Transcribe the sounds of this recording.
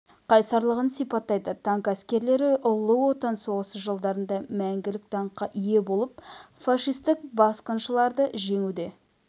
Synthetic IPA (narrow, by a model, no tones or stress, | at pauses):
qʰɑjsɑɾlˠəʁənsijpɑt̪ːɑjd̪ət̪ʰɑŋkæskʲe̞ɾle̞ɾɪʔʊlˠːəwot̪ɑnso̞ʁəsəʒəlˠd̪ɑɾənd̪ɑmæŋɡʲɪlɪk̚t̪ʰɑɴqːɑʔʏje̞bo̞lˠəp̚fɑʃijst̪ɪk̚bɑsqənʃəlˠɑɾd̪əʒe̞ŋud̪e̞